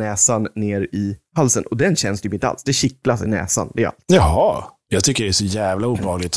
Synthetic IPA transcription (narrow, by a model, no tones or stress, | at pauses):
ɛːsanːeːɾɪhalsənʔɔd̪ɛnɕɛnːst̪ʰjyːpɪnəa̰lsd̪ɛɕɪklasɪ̰nɛ̰ːsa̰nd̪ɛa̰lt̪jɑɦɑjɑːɡt̪ʰʏkːəɖɛæʂɔjæːvlauːbhɑːɡlɪt̪